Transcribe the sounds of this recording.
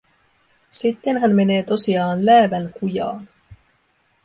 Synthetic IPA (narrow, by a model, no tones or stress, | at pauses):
sit̪ːe̞nɦænme̞ne̞ːt̪o̞siɑːnlæːʋælkujɑ̰ːn